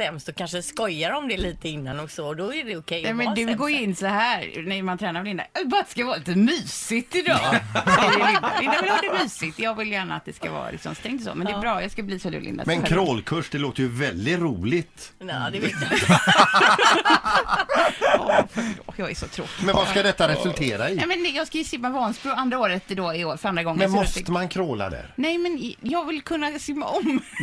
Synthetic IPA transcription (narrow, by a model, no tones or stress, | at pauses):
ɛmst̪ɔkʰanʂəskɔjːaɾɔmd̪ɛliːt̪əɪnːanɔksɔɔd̪ɔæɖɛʊkʰɛjnɛmɛnd̪ʉɡoːjɪnːsɔɦæːɾnɛmant̪ʰɾɛːnaɾvlɪnd̪a̰bɑːɾad̪ɛ̥skavɑːɾliːt̪əmyːsɪt̪ɪd̪ɑː | lɪnaɪnd̪avɛɪladɛmyːsɪt̪jɑːɡvɪljæːɳa̰t̪̚d̪ɛska̰vɑ̰ːɾa̰lɪ̰ksɔmst̪ɛŋt̪ɔso̰ːmɛnɛbɾɑːjɑskabliːsɔlʉ̰lɪ̰nd̪a̰mɛɛnkʰɾoːlkʰɵʂd̪ɛloːt̪əjʉvɛld̪ɪt̪ɾuːlɪt̪ːd̪ɛet̪ | ɔfjɑːɡæʂɔt̪ʰɾoːt̪ːmɛnvaskad̪ɛt̪ːaɾɛsɵlʰeːɾaɪɛmɛnjɑːɡskajʏsɪmːavɔnsbʉand̪ɾaoːɾət̪d̪oːɪoːfœɾand̪ɾaɡɔŋmɛnmɔst̪əmankʰɾoːla̰d̪ɛ̰ɾnɛjmɛnjɑːɡvɪlkʰɵnːasɪmːaʔɔm